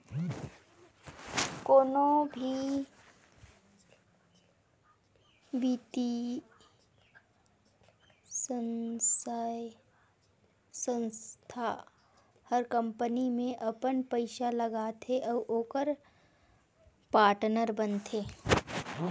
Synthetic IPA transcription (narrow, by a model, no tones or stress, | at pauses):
koːnõbʱi | biːt̪i | sənsaj | sə̃nst̪ʰa | həɾkə̃mpənimẽʔɐpənpəɪʃaləɡaːt̪ʰeʔɔːʔoːkəɾ | paːɾʈnəɾbənt̪ʰeː